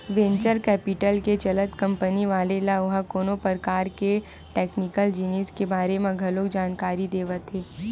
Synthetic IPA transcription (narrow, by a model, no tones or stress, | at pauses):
ʋẽːɲt͡ʃəɾkɛːpɪʈəlket͡ʃɐlət̪kɐ̃mpəniʋaːlelaʊɦakoːnopəɾkaːɾke | ʈɛːknɪkəld͡ʒiniːskebaːɾemẽɡʱɐloːkd͡ʒaːnkaːɾid̪eːʋət̪ɦeː